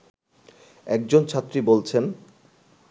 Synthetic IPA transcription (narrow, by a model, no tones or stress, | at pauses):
ɛk̚d͡ʑont͡ɕʰat̪ːɾibolt͡ɕʰen